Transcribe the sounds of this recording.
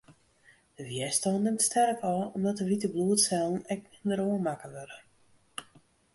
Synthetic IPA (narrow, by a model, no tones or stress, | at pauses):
d̥əʋjɛstɔnɪmtstʰɛrkɔɔmdɔtəʋitəbluətsɛlˠn̩ɛk̚nɪndəɾoənmakəʋøɾə